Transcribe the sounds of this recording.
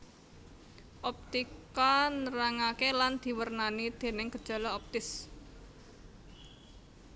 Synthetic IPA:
ʔɔp̚t̪ikanəɾaŋakeland̪̥i̤wərnanid̪̥e̤nɪŋɡ̥əd̥ʒ̥a̤lɔɔp̚t̪ɪs

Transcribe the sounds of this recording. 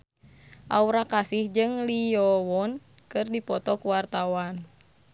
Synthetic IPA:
ʔa̰uɾakasihd͡ʒɨŋlijɔwɔn | kɨrdipɔt̪ɔkuwart̪awan

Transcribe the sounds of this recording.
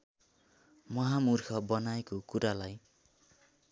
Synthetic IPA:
mʌɦamurkʰʌbʌnaekokuɾalaj

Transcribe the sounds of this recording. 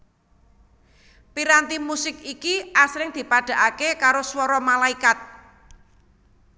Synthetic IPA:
piɾant̪imusɪkikiʔasɾɪŋd̪̥i̤paɖ̥a̤ʔakekaɾoswɔɾɔmalaikat̪̚

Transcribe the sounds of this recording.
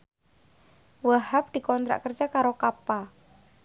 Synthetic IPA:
wahap̚d̪̥i̤kɔnt̪ɾa̰ʔkərd͡ʒakaɾokapa

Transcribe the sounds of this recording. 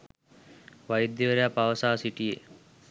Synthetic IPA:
ʋajid̪ːjeʋeɾejapaʋɐsaːsiʈijḛ

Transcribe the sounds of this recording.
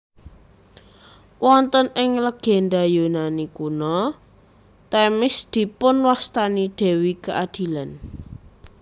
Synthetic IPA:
wʔɔnt̪ənɪŋləɡ̥ɛ̤nd̪ajonanikunɔ | t̪ɛmɪsd̪̥i̤pʊnwast̪anid̪̥e̤wikəʔad̪̥i̤lan

